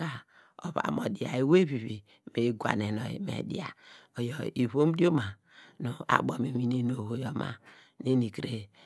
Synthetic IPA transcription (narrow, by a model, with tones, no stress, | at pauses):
a˨ | o˨βa̰˨mo˨di˨a̰˨i˨we˦βi˨βi˨ | me˨ɡʷa̰˨ne˨nɔ˨ḭ˨mḛ˨dḭ˦˨a˨o˨jɔ˨i˨βo˦m˦di˦o˦ma˨ | no˨a̰˨bo˨me˨mi˨ne˨no˨ho˨jɔ˨ma̰˨ | ne˦ni˨kɾe˨